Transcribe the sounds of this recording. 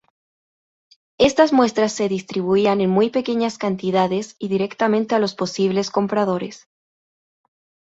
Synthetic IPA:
e̞st̪azmwe̞st̪ɾasːe̞ðist̪ɾiβ̞uiane̞nmujpe̞ke̞ɲaskant̪iðaðe̞siðiɾe̞kt̪amẽ̞nt̪e̞alo̞spo̞siβ̞le̞sko̞mpɾað̞o̞ɾe̞s

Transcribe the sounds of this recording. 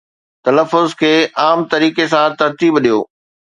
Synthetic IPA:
t̪ɐləfːʊzkʰeːʔaːmt̪ɐɾiːkesãt̪ɐɾt̪iːbɗijo̰ː

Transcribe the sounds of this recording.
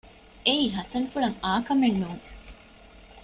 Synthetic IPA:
eiːɦɐsɐnfuɭɐŋaːkɐmenːuːŋ

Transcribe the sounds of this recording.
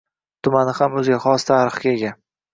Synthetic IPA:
t̪ʰʊmanɪhamɵzɪɡʲaχɒst̪ʰaɾɨχɡʲaeɡʲa

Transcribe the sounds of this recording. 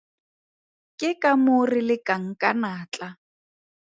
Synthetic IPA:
kʼɪkʼamorilɪkʼaŋ̩kʼanaːt͡ɬʼa

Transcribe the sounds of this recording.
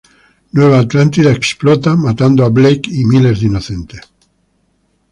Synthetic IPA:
nweβaːt̪lant̪iðaeksplɔt̪amat̪and̪oaβlejkimilezd̪inoθent̪es

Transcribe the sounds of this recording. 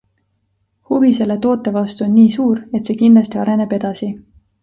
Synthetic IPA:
huvise̞lːe̞t̪o̞ːt̪ːˑe̞vɑst̪uo̞nːiːsuːɾe̞t̪se̞ːkind̪lɑst̪iɑɾe̞ne̞b̥e̞d̪̥ɑsi

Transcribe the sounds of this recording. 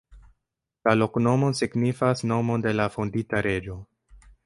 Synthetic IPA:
lalo̞kno̞mo̞siɡnifasno̞mo̞nde̞lafonditaɾe̞d͡ʒo̞

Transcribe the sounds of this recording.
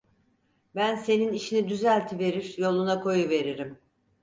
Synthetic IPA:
bænse̞niniʃinid̪yzælʲt̪ʰive̞ɾiɾjo̞lˠunakʰo̞juve̞ɾiɾim

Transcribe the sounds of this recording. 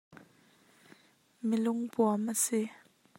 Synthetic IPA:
mɪlʊŋpuamasi

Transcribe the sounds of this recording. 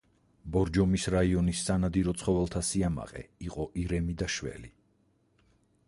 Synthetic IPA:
bɔɾd͡ʒɔmisɾaiɔnisːanad̪iɾɔt̪sʰχɔvɛlˠt̪ʰasiama̰qʼɛ̰iqʼɔʔiɾɛmid̪aʃvɛ̰li

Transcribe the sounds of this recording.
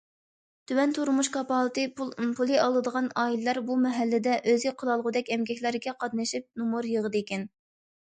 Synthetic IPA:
t̪ʰywɛnt̪ʰuɾmuʃkɑpɑlˠt̪ɨpʰulˠɨɑlˠɨd̪əʁɑnɑːillˠɑɾbumɛɦælːɪd̪ɛʔøziqʰəlˠɑlˠʁʊd̪ɛkʲɛmɡʲɛkʲlæɾɡʲɛqʰɑd̪nɨʃip̚numuɾjəʁəd̪ɨekʲɛn

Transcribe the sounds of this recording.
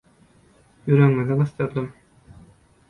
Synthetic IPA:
yɾœŋːyniqɤ̆st̪ɯɾd̪um

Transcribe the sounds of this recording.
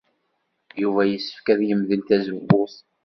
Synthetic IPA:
juvæjəsːə̥fkæðjəmðəlt̪æzəbːʊθ

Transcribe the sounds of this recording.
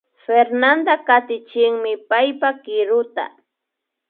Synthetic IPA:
feɾnand̪akat̪ɪt͡ʃɪŋmɪpajpakɪɾʊt̪a̰

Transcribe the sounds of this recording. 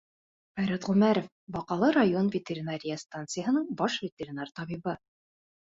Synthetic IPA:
fæɾæt̪ʁʉmæɾof | bɒqɑlˠɤɾajo̞nvʲɪtʲeɾʲinaɾʲɪjəst̪ant̪sɨjəɦɤ̆nɤɴbɒʃvʲɪtʲeɾʲinart̪ɒβibɤ

